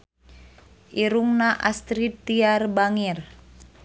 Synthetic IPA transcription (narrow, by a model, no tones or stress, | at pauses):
ʔiɾuŋnaʔast̪ɾit̪iarbaŋir